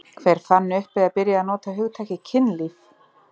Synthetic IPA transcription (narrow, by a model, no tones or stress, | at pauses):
kʰvɛːɾ̥fanːʏʏhpvɪðapɪɾjaːnɔːt̪aɦʏɣt̪ʰaːcɪcʰɪnliːf